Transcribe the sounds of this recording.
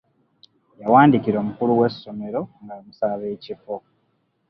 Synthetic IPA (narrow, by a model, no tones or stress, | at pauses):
jawaːndiciɾo̞ːmukuluwe̞sːo̞me̞ɾo̞ŋɡaomusaβe̞ːcifo